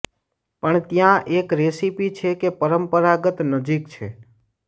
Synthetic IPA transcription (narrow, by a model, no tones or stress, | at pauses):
pəɳt̪jãʔekɾesipit͡ʃʰekepəɾəmpəɾaɡət̪nəd͡ʒikt͡ʃʰḛ